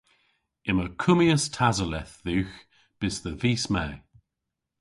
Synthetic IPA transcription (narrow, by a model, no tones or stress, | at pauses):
ɪməkʰʊmiəstʰazəlɛθðʉːx | b̥ɪsðəviːsmɛː